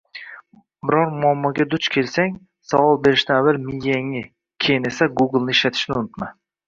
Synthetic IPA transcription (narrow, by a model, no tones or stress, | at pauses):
bɪɾɒɾmʊamːɒɡʲad̪ʊt͡ʃkʲʰe̞lsaŋ | sawɒlˠbe̞ɾɪʃt̪aavalmɪjjaŋɪ | kʲʰe̞jɪne̞saɡʊɡɪlˠnɪɪʃlat̪ʰɪ̥ʃnɪʊnɪt̪ma